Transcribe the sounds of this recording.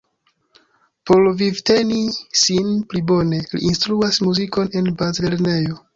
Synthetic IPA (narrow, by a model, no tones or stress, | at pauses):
polvivte̞nisinplibo̞ne̞lḭʔːnstɾuasmuziko̞ne̞nbazle̞ɾne̞jo̞